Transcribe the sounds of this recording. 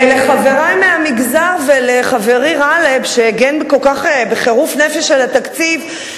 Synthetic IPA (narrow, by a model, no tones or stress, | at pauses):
leχave̞ʁajmeamiɡzaʁveleχaveʁiʁalebʃeeɡenbekolkaχebeχe̞ʁufnefeʃelat̪akt͡siv